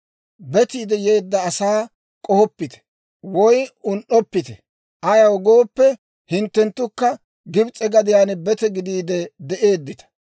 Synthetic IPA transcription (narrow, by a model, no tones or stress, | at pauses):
bɛt̪iːd̪ɛje̞ːd̪ːɐːsaː | kʼɔhɔpːɪt̪ɛ̥ | wɔjʊnʔɔpːɪt̪ɛ | ʔɐjɐwɔɡoːpːɛ | hɪnt̪ːɛnt̪ːʊkːɐ | ɡɪbt͡sʼɛɡɐd̪ɪjaːnɛbɛt̪ɛɡɪd̪iːd̪ɛd̪ɛʔe̞ːd̪ːɪt̪ɐ̥